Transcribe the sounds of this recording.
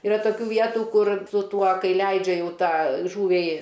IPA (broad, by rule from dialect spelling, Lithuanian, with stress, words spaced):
ɪˈrɐ toːˈkʲuː ˈʋʲiɛtʊ ˈkʊr sʊ ˈtuɔ ˈkɐɪ ˈlʲɛɪd͡ʒʲɛ ˈjɛʊ ˈtɑː ˈʒuːʋʲɛɪ